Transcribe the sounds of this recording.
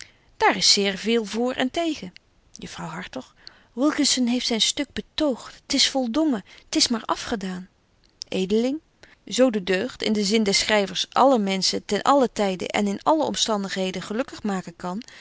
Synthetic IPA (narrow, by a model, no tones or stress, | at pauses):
d̥aːɹɪsɪːɹvɪːlˠvʊːɹʔɛ̰ntejχə | jəfrɑwɦɑɹtɔχ | ʋɪlˠkənsənɦejftsɛjnstɵɡ̚bətowχttɪsfɔlˠdɔŋəətɪsmaːɹʔɑfχədaːn | ʔejdəlɪŋ | zowdədøɥχtɪ̰ndəzɪndɛsχrɛjvəɹsʔɑ̰ləmɛnsətɛnʔɑlətɛjdə̰ʔɛ̰nɪnɑləɔ̰mstɑndəχɦejdəχəlɵkəχmaːkənkɑn